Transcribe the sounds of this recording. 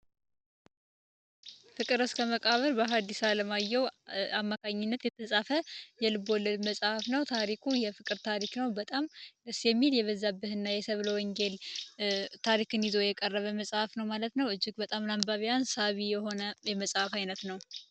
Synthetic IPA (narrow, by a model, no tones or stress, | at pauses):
fɨkʼɨɾɨskʰəməkʼaβəɾbəɦad̪ːisaləmajːɛwamːakʰaɲːɪnːət̪jɛt̪ʰəsʼafəjɛlɨbolːɨd̪məsʼhafnəwt̪ʰaɾikʰujɛfɨkʼɨɾt̪ʰaɾiknəwbət̪ʼamɨsjɛmːiljɛβəzːabːɨhɨnːajɛsəβləwɔŋɡel | t̪ʰaɾikɨnizo̞jɛkʼərːəβəməsʼhafnəwmalət̪nəwɨd͡ʒːɪɡbət̪ʼamlambaβijansaβijɛho̞nəjɛməsʼhafajnət̪nəw